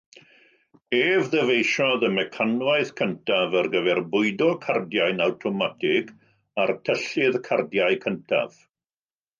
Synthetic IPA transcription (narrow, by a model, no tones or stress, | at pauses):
eːvðəvejʃɔðəmɛkʰanwaɨðkʰəntʰavərɡəvɛrbʊɨdɔkʰardjaɨnawtʰɔmatʰɪɡ | artʰəɬɪðkʰardjaɨkʰəntʰa̰v̥